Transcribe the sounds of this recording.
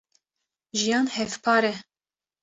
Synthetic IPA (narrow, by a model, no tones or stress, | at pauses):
ʒijɑːnhɛvpʰɑːɾɛ